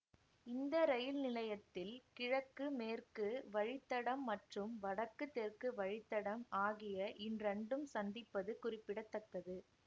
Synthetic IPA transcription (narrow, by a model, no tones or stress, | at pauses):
ɪnd̪ɐɾɐjɪlnɪlɐjɐt̪ːɪlkɪɻɐkːɯmeːrkɯʋɐɻɪt̪ːɐɽɐmːɐʈrɯmʋɐɽɐkːɯt̪ːerkɯʋɐɻɪt̪ːɐɽɐmaːɣɪjɐʔɪnrɛɳɖɯmsɐnd̪ɪpːɐðɯkʊrɪpːɪɽɐt̪ːɐkːɐðɯ